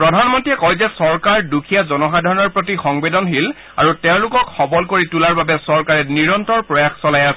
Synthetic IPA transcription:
pɹɔdʱanmɔntiɛkɔjzɛsɔɹkaɹdukʰijazɔnɔxadʱaɹɔnɔɹpɹot̬ixɔŋbedɔnɦil | a̰ɹutɛʊ̃lʊkɔkxɔbɔlkoɹitulaɹbabɛsɔɹkaɹɛniɹɔntɔɹpɹɔjaxsɔlajasɛ

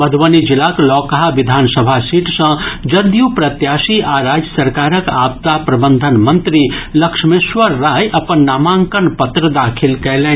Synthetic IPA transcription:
bəd̪ʱʋənid͡ʒilaklɔːkəɦaʋid̪ʱaːnsəbʱasiʈsə̃d͡ʒəd̪jupɾɐt̪jaːsiʔaɾad͡ʒjəsəɾkaːɾəka̰ːb̚t̪apɾɐbənd̪ʱənmənt̪ɾiləkʂmesʋəɾːajʔɐpənːamãŋkənpət̪ɾəd̪aːkʰilkɛlɛ

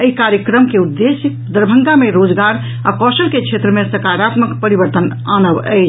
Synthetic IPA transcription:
əikaɾjəkɾəmkeud̪ːesikd̪əɾbʱə̃ŋɡameɾod͡ʒɡaɾ | a̰kɔsəɾkekt͡ʃʰet̪ɾəmesəkaɾat̪məkpəɾibəɾt̪ən | anəbə̰ɪt͡ʃ

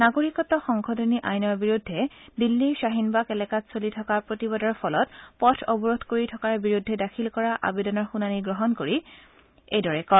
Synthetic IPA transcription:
naɡoɹikɔtːɔxɔŋkʰɔdʱoniʔajnɔɹbiɹudʱːɛdilːiʃaɦinbakɛlɛkatsolitʰɔkapɹotibɔdɔɹpʰɔlɔtpɔtʰɔbɔɹodʱkoɹitʰɔkaɹbiɹudʱːɛdakʰilkɔɹaʔa̰bedɔnɔɹxunaniɡɹɔɦɔnkoɹi | ejdɔɹɛkɔ

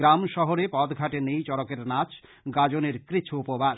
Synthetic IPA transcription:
ɾamʃɔɦoɾepɔd̪ɡʱaʈenejt͡ɕɔɾokeɾnat͡ɕʰ | ɡad͡ʑoneɾkɾit͡ɕʰoupoba

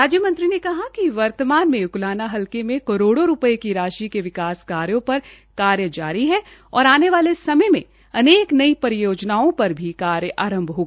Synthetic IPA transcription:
ɾaːd͡ʒjəmɐ̃nt̪ɾinekɐɦakiʋɐɾt̪əmaːnmẽjʊklaːnaɦɐlkemẽkɐɾoːɽoɾʊpəekiɾaːʃikeʋɪkaːskaːɾjõpɐɾ | kaːɾjəd͡ʒaːɾiɦɛɔːɾaːneʋaːlesɐməjmḛ̃ | ɐneːknɐipɐɾɪjoːd͡ʒnaːõpɐɾbʱikaːɾjəʔaːɾə̃mbʱɦoːɡa

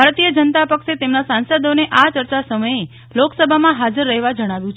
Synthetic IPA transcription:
aɾt̪ijəd͡ʒənt̪apəkʃet̪emnasãnsəd̪oneʔat͡ʃəɾt͡ʃasəməje | loksəbʱamãɦad͡ʒəɾːəɦeʋad͡ʒəɽ̃aʋjũt͡ʃʰ

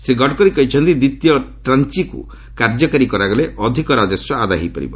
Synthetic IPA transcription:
sɾiɡʱɔʈkɔɾikɔit͡ʃʰɔnt̪id̪it̪jɔʈɾant͡ʃikṵ | kaɾd͡ʒɔkaɾikɔɾaɡɔleʔɔd̪ʱikɔɾad͡ʒɔsjɔad̪a̰ɦḛjpɔ̰ɾḭbɔ̰

